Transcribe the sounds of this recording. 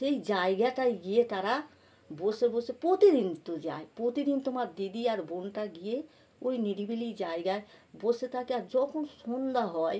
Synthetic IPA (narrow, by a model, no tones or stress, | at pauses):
ejd͡ʑaeɡaʈajɡijet̪aɾa | bolseɾbolsepɾot̪id̪int̪od͡ʑaepɾot̪id̪int̪omaɾd̪id̪iaɾbonʈaɡije | ojniɾibilid͡ʑaeɡaebolset̪ʰakeaɾd͡ʒɔkʰonʃond̪aɦɔe